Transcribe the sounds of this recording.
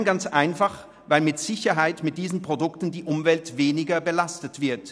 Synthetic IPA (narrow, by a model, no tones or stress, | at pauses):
nɡant͡sʔaɪnfaχ | vaɪlmɪtz̥ɪçɐɦaɪtmɪt̚d̥iːzn̩pʁ̥odʊktn̩diːʔʊmvɛltveːnɪɡɐbəlastətv̥ɪɐt